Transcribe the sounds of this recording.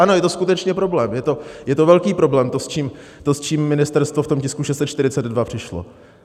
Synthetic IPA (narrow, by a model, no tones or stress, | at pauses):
ʔano̞jɛt̪o̞skut̪ɛt͡ʃɲɛpɾo̞blɛːmjɛt̪o̞jɛt̪ovɛlkiːpɾo̞blɛːmt̪ost͡ʃiːm | t̪ost͡ʃiːmːɪnɪst̪ɛɾst̪voft̪o̞mcɪskuʃɛst̪t͡sɛt̪t͡ʃt̪ɪɾɪt͡sɛd̪dvapr̥ɪʃlo̰